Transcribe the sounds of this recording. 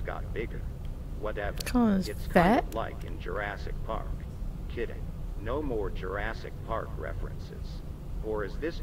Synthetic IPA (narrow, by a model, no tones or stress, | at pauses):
ɡ̥ɑ̰t̚b̥ɪɡə˞ | wʌɾɛvə˞kʰɔzɨtskʰæt̚laɪkɨ̰̃nd͡ʒə˞æsɨ̰k̚pʰɑ̰ɹkʰː | ɪɾɪ̰̃ŋnoʊmɔɹd͡ʒə˞æsɨ̰k̚pʰɑɹkʰɹɛ̰fɹɨ̰̃nsɪ̰z̥ | fə˞ɨzðɪs